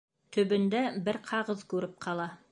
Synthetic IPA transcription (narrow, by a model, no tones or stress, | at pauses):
t̪ɵ̆bɘ̆nd̪æbɘɾqʰɑʁɤðkʉɾɘp̚qʰɑlˠɑ